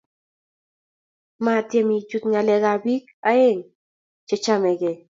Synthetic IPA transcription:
mat̪jemid͡ʒut̪ŋaleɣabikaeŋ | t͡ʃet͡ʃameɡe

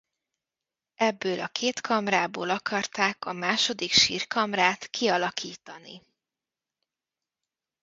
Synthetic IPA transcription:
ɛbːøːlʔɒkʰeːt̪kʰɒmraːboːlɒkɒrt̪aːkɒmaːʃo̞d̪ikʃḭːrkɒmraːt̪kʰiɒlɒkiːt̪ɒnḭ

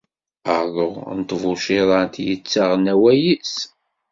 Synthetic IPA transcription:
əʁðoʁnt̪ˤːvʊʃiðˤɑnt̪jət͡sːaʁnæwæjis

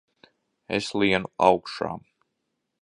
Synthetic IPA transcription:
ɛ̰slˠiɛnuawkʃa̰ːm

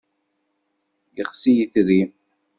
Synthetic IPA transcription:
jəχsijəθɾi

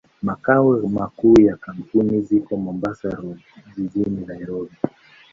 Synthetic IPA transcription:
makawɛmakuːjakam̩punizikɔmɔmbasaɾɔ | ʄiʄininaiɾɔbi

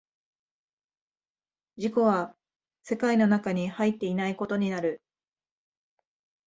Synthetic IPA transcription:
d͡ʑiko̞βa | se̞kaino̞nakaɲ̟ihait̪ːe̞inaiko̞t̪o̞ɲ̟inaɾɯ̟

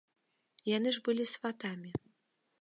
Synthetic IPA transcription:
janɨʐbɨlʲisvat̪amʲi

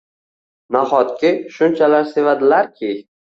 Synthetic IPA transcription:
naχɒt̪̚kʲɪʃʊnt͡ʃʰalaɾsevad̪ɪlaɾkʲʰɪ

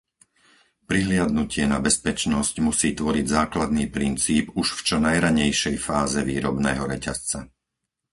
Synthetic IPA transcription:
pɾiɦlɪad̪nucɪɛnabɛspɛt͡ʃnɔscmusiːt̪ʋɔɾiɟzaːklad̪̚niːpɾint͡siːpuʃft͡ʃɔnajɾaɲɛjʃɛjfaːzɛʋḭːɾɔbnɛ̰ːɦɔɾɛcast͡sa

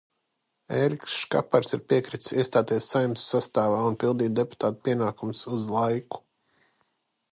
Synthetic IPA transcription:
eɾiksʃka̰paɾsiɾpiɛkɾit̪siɛst̪aːt̪ɛsːajumsu̥sast̪aːvaːunpilˠd̪iːd̪epu̥t̪aːt̪u̥piɛnaːkumsuzlˠajku̥

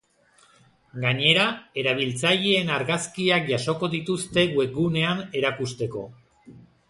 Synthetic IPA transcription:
ɡaɲe̞ɾae̞ɾaβ̞ilt͡saʎeːnaɾɣaskiakʝaso̞ko̞ðit̪ust̪e̞ɣue̞k̚ɡune̞ane̞ɾakust̪e̞ko̞̰

